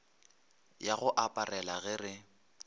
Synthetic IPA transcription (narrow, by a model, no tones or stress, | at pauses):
jaɣʊʔapʼarɛlaɣɪrɪ